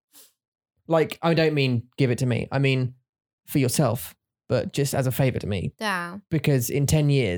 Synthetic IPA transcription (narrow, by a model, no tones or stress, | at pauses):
laɪkaɪdə̃ʊ̃nʔmĩnɡ̥ɪvɪtʰəmḭʔa̰ɪmĩːn | fəjəsɛlˠf | b̥ʌʔ̚d̥ʒ̥ʌstəzəfeɪvə̰tʰəmḭab̥ɪkʰɒzɪ̰̃ntʰɛ̃njɪə